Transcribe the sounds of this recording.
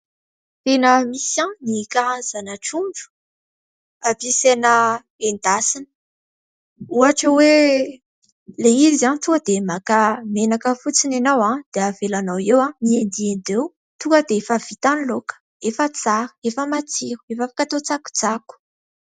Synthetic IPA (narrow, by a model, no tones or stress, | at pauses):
t̪enəmisãnikaɾanz̥anaʈ͡ʂuɳɖ͡ʐu̥ | apisenə | end̪asinə̥ | uaʈ͡ʂəwe | leizant̪uŋkəd̪emakamenakəfut͡sinanawãd̪̥eav̥elanawewãniend̪iend̪ew | t̪uŋkəd̪eefəv̥it̪anilokə̥ | efət͡saɾə̥efəmat͡siɾu̥efəfakat̪ot͡saku̥d͡zaku̥